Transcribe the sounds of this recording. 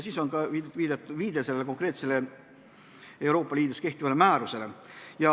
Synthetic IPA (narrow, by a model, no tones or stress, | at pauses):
siːso̞nkɑiviːd̪̥et̪ːˑuviːd̪̥e̞se̞lːeko̞ŋkˑre̞ːt̪sele̞ | e̞wɾo̞ːpːˑɑliːd̪uske̞ht̪ivɑlemæːɾuse̞lejɑ